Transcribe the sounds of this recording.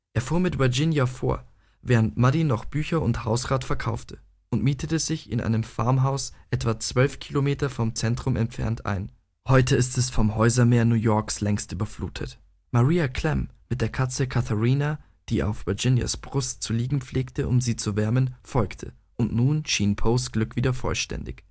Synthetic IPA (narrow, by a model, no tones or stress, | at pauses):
ʔeːɐfuːɐmɪtvəɐd͡ʒɪnjafo̰ːɐ | vɛːʁəntmadinɔχb̥yːçɐʊnthaʊsʁaːtfɛɐkʰaʊftʰə | ʔʊntmiːtətəz̥ɪçɪ̰nʔa̰ɪnəmfa̰ɐmɦaʊsʔɛtv̥at͡sv̥œlfkʰiːlomeːtɐfɔmt͡sɛntʁ̥ʊmʔɛ̰mfɛ̰ɐntʔa̰ɪn | hɔʏtʰəɪstɛsfɔmhɔʏzɐmeːɐnuːjɔɐkslɛŋstʔyːbɐflṵːtʰə̰t | maʁiːakʰl̥ɛmːɪt̚d̥eːɐkʰat͡səkʰatʰəʁiːna | d̥iːʔa̰ʊfv̥əɐd͡ʒɪnja̰sb̥ʁʊstt͡suliːɡŋ̩p͡fleːktəʔʊ̰mziːt͡suvɛɐmənfɔlktʰə̰ | ʔʊntnuːnʃiːnpʰoːsɡ̥lʏkv̥iːdɐfɔ̰lʃtɛ̰ndɪ̰ç